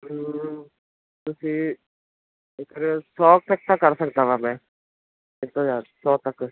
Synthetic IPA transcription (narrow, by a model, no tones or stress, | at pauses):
t̪ʊsĩː | ɪkɾesɔːk̚t̪ək̚t̪əkːəɾsəkd̪aːʋaːmɛ̃ː | ɪt̪õːd͡ʒaːd̪sɔːt̪ək